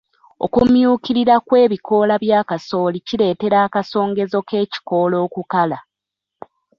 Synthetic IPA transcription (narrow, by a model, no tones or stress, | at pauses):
o̞̰kumjuːkiɾiɾakwe̞ːβikʰo̞ːlaβjaːkaso̞ːliciɾe̞ːte̞ɾaːkaso̞ːŋɡe̞zo̞ke̞ːci̥ko̞ːlo̞ːkukala